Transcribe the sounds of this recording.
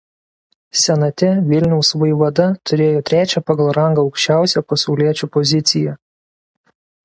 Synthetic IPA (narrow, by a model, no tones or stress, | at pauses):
sʲɛnɐt̪ʲɛʋʲɪlʲnʲɛʊsʋɐɪʋɐd̪ɐt̪ʰʊɾʲeːjoːt̪ʲɾʲæːt͡ʃʲɛpɐɡɐlˠɾɐŋɡɐɐʊkʃʲt͡ʃʲæˑʊsʲɛpɐsɒʊlʲiɛt͡ʃʲupɔzʲɪt̪sʲɪjɛ